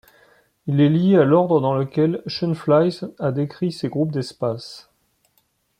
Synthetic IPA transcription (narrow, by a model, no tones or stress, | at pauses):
ilɛlijealɔʁd̪ʁəd̪ɑ̃ləkʲɛlʃənflajzad̪ekχiseɡʁup̚d̪ɛspas